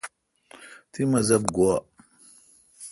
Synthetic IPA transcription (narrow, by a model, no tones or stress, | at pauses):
tʰimazabɡua